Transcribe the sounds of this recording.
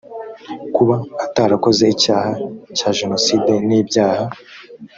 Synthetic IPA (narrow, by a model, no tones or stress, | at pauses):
kuβaːtaɾako̞zeicaːhacaːʒe̞no̞siːde̞niːbɟaːha